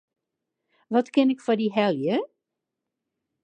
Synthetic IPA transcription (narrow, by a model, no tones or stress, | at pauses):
ʋɔtkɪnɪkfɔdiɦɛljə